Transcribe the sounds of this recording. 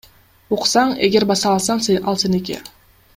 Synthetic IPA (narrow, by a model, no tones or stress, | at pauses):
oqsɑɴeɡʲe̞ɾbɑsɑːlˠsɑɴseʔɑ̰lˠsenek̬ʲḛ